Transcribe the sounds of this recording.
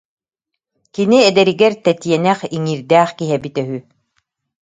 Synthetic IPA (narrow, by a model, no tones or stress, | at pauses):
kiniɛd̪ɛɾiɡɛɾt̪ɛt̪iɛnɛχiŋiːɾd̪æːχkiɦɛbit̪œɦy